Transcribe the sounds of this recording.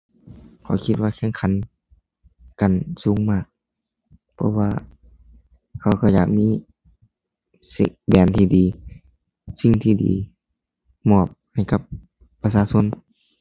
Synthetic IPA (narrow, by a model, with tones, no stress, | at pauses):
kʰa̰˨˩wkʰi˧t̪̚waː˧kʰe˧˥˨ŋkʰa˧˥˦n | ka˨nsuː˨˦ŋmaː˧˩k̚ | pʰɔ˧˥waː˧ | kʰa˧˩wkɔː˧˩ja̰ː˨˩k̚miː˧˥˨ | sḭ˧˨bɛː˨˩nt̪ʰiː˧˩diː˨ | si˧˨ŋt̪ʰiː˧˩dḭː˨ | mɔː˧˩p̚ha˧˨˩jka˧˦p̚ː | a˧saː˧˨so˧˥˨n